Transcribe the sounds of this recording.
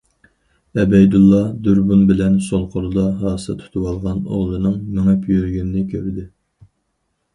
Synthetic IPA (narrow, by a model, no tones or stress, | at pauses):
ɛbɛjd̪ulˠːɑd̪uɾbunbɪlɛnsolˠqʰoɾˠɨd̪ɑɦɑːsɨ̰t̪ʰu̥t̪ʰuwɑlˠʁɑno̰ʁlˠɨnɨŋmɪŋɛpʰjøɾɡʲynnɪkʲʰøɾd̪ɪ